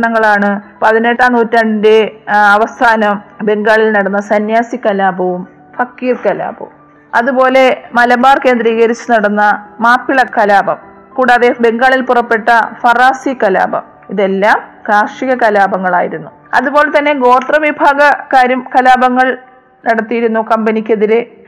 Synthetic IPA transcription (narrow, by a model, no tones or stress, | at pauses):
ɳɐŋːɐɭaːɳɨpɐðine̞ʈːaːnuːtːɐɳndeɐʋɐst̪ʰaːnɐmbe̞ŋɡaːɭilnɐɽɐnːɐsɐnjaːsikːɐlaːbɐʋum | fɐkːiːrkɐla̰ːbɐ̰um | ɐðubo̞ːle̞mɐlɐbaːrke̞ːnd̪ɾiːɣɐɾit͡ɕːunɐɽɐnːɐmaːpːiɭɐkɐlaːbɐm | kuːɽaːðebe̞ŋɡaːɭilpurɐpːe̞ʈːɐfɐraːsikɐla̰ːbɐ̰m | iðe̞lːaːm | kaːʂiɣɐkɐlaːbɐŋːɐɭa̰ːjiɾunːu | ɐ̰ðubo̞ːle̞t̪ɐnːe̞ɡo̞ːt̪rɐʋibʱaːɡɐkaːɾjɐmkɐlaːbɐŋːɐɭ | nɐɽɐt̪ːijiɾunːukɐmbɐnikʲːeðiɾe